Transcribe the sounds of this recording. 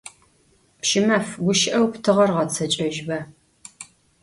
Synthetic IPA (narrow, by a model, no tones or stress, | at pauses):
pʃɪmɐfɡʷʊʃɪʔɐwptʰɨʁɐrʁɐt͡sʰɐt͡ʃʼɐʒbɐ